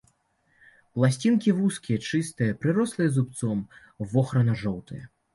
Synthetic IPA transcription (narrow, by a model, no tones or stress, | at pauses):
plˠasʲt͡sʲinkʲivuskʲijɐt͡ʂɨst̪ɨjɐpɾɨɾɔslˠɨjɛzupt̪sɔm | vɔxɾɐnɐʐɔwt̪ɨjɐ